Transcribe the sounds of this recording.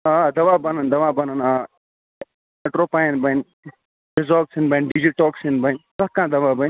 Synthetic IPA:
ãːd̪ɐʋãːbɐnənd̪ɐʋãːbɐnənaː | meʈɾoːpanbən | ɾɪzoːksinbənɖid͡ʒiʈɔːksinbɐnsaːkãːd̪ɐʋãːbɐn

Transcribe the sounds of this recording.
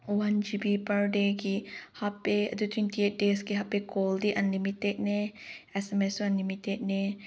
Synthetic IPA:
wɐnd͡ʒibipɐɾɖekihɐpːeɐ̰t̪ut̪ʰwint̪ieːt̚ɖeːskiɦɐpːekoːld̪iʔɐnːimit̪ːeʔneɛsɛmesuɐnːimit̪et̪ne

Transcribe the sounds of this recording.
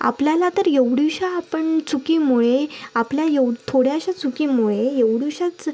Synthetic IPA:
a̰pljalat̪əɾjeʋɽuɕaːpəɳt͡sukiːmuɭeapljajet̪ʰoɽjaɕat͡sukimuɭejeʋɽuɕat͡s

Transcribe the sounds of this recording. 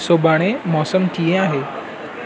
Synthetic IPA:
sobaɽ̃emɔsəmʈijẽaɦe

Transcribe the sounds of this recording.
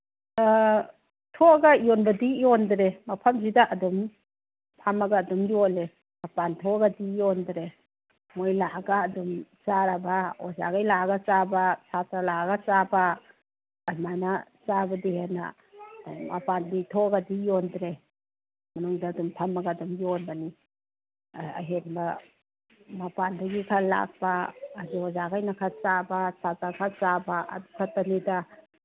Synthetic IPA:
tʰoɐɡɐjɔnbɐdijondɾemɐpʰɐmzidɐʔɐdum | pʰamɐɡɐːdumjole | mapantʰɔɡadijondɾe | mojlaɡaːdumt͡ʃaɾabao̰za̰ɡajlaɡɐt͡ʃabasatɾalaɡɐt͡ʃabaː | majnat͡ʃabɐdihenɐ̰ | mɐ̰panditʰoɡɐdijondɾe | mɐnuŋdɐːdumpʰɐmɐɡadumjonbɐni | ɐ̰jɦenbɐ | mapandɐɡikʰɐlːa̰k̚pɐːziozaɡajnɐkʰat͡ʃabɐsatakʰat͡ʃabɐʔɐ̰dukʰɐtɐnidɐ

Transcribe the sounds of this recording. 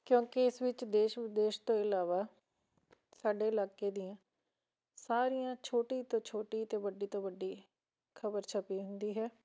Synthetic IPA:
kjõːkɪɪsʋɪt͡ʃd̪eːʃd̪eːʃt̪õːɪlaːʋaː | saːɖeːɪlaːkeːd̪ɪjãː | saːɾijãːt͡ʃʰoːʈiːt̪õːt͡ʃʰoːʈiːt̪eːʋəɖiːt̪õːʋəɖːiː | kʰəbəɾt͡ʃʰəpiːɦʊnd̪iːɦɛː

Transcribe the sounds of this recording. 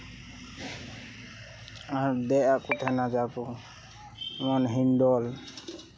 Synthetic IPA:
aɾd̪ɛʔaʔkut̪ʰɛnad͡ʒabu | mɔnɦiɳɖɔl

